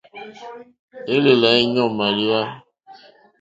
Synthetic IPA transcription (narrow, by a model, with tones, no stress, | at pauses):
e˦le˨la˨i˦ɲɔ˦˨ma˨ɾi˦a˦